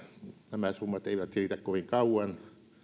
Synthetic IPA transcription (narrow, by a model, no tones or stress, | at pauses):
næmæsumːɑt̪eiʋæt̪siiːt̪ækkoʋiŋkɑuɑn